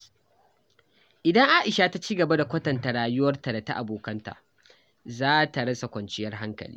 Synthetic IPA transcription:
ʔɪ˨dɐ˦ŋʔaː˦ʔɪ˨ʃa˨ta˦t͡ʃiː˦ɡɐ˨ba˦da˨kʷɐ˦tɐ˨nta˨ɽaː˨jʊ˦wɐ˦rta˨da˨ta˦ʔa˨boː˨kɐ˦nta̰˨ | zaː˦ta˨ɽɐ˦sa˨kʷɐ˨nt͡ʃɪ˦jɐ˦rɦa˦ŋkɐ̰˨lḭː˦

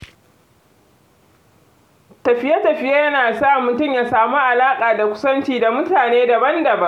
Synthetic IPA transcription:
tɐ˨ɸɪ˦jɐ˦tɐ˨ɸɪ˦ja˦jɐ˦naː˨sa˦˨mʊ˨tʊ˦˨mjaː˨saː˨mu˦ʔa˨laː˦kʼaː˨da˨kʷʊ̥˦sɐ˦nt͡ʃiː˨da˨mʊ˦taː˨neː˦dɐ˨bɐ˦ndɐ˨bɐ˦

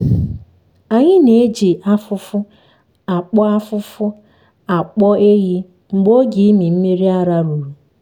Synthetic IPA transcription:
a˨ɲɪ˦ne˨˦d͡ʒi˨ʔa˦fʊ˦fʊ˦ | a˨k͡pɔ˦a˦fʊ˦fʊ˦ | a˨k͡pɔ˦e˦ɦi˦ | ŋ͡m̩˨ɡ͡bo˦ɡi˨i˦mi˨m̩˦mi˦ɾi˦a˦ɾa˦ɾu˨ɾu˨

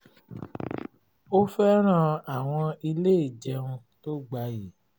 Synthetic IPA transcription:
o˦fɛ˦ɾ̃ã˦˨a˨w̃ɔ̃˧i˧le˦i˦˨d͡ʒɛ˧ũ˧ | to˦ɡ͡ba˧ji˨˦

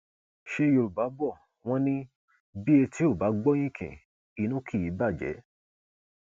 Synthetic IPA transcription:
ʃe˧jo˧ɾu˨ba˨˦bɔ˦˨ | w̃ɔ̃˦nĩ˦ | bi˦e˧ti˦o˦˨ba˨˦ɡ͡bɔ˦j̃ĩ˦kʰḭ̃˨ | i˨˦nũ˦kʰi˦˨ji˨˦ba˦˨d͡ʒɛ̰˨˦

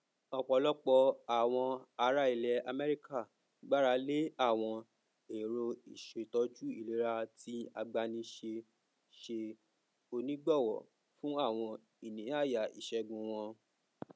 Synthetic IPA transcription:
ɔ˨k͡pɔ˨˧˦lɔ˦k͡pɔ˧a˦˨w̃ɔ̃˧a˧ɾa˧˦i˨lɛ˨a˧mɛ˦ɾi˦ka˦˨ | ɡ͡ba˦ɾa˧le˦a˦˨w̃ɔ̃˧ | e˨ɾo˧i˨ʃe˨tɔ˨˧˦d͡ʒu˦i˦˨le˨˦ɾa˧ti˦a˧ɡ͡ba˧nĩ˧ʃe˧ | ʃe˧ | o˧nĩ˦ɡ͡bɔ˦˨wɔ̰˨ | fũ˦a˦˨w̃ɔ̃˧ | i˦˨nĩ˨˦a˦˨ja˨ḭ˨ʃɛ˧˦ɡũ˨˧w̃ɔ̃˧

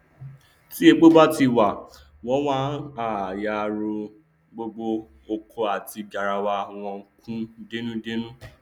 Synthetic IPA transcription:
ti˦e˧ɡ͡bo˦ba˦ti˧˨wa˨ | w̃ɔ̃˦wã˦a˦˨ja˨˧ɾo˧ | ɡ͡bo˧ɡ͡bo˧ | o˧kʰo˧a˨ti˧d͡ʒa˨ɾa˨wa˧˨w̃ɔ̃˧˦kũ˦de˦nũ˦de˦nũ˦

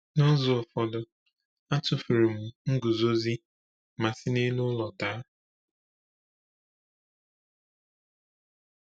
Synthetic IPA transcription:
nɔ˦zʊ˨ɔ˨fɔ˨dʊ˨ | a˦tʊ˨fu˨ɾu˨m̩˨ŋ̩˦ɡʊ˨zo˦zi˦ | ma˨sɪ˦ne˦nʊ˦lɔ˨ta˦

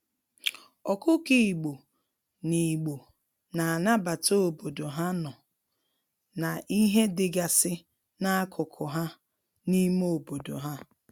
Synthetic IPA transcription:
ɔ˨kʊ˦ki˨ɡ͡bo˨ | ni˨ɡ͡bo˨ | na˨a˨na˦ba˨to˦o˨bo˨do˨ɦa˦nɔ˨ | na˨ʔi˦ɦe˦dɪ˨ɡa˨sɪ˦ | na˦a˦kʰʊ˨kʰʊ˨ɦa˦ | ni˦mo˦˨bo˨do̰˨ɦa˦

